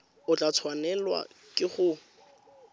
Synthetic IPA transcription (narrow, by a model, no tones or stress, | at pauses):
ʊt͡ɬʼat͡sʰwanɛlwa̰kʼɪχʊ